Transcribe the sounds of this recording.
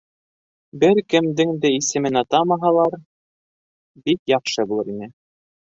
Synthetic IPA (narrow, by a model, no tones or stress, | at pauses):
bɘɾkɘ̆md̪ɘŋd̪ɘisɘ̆mɘnɑt̪ɑmɑɦɑlˠɑɾ | bikjɑqʃɤbulˠɤɾinɘ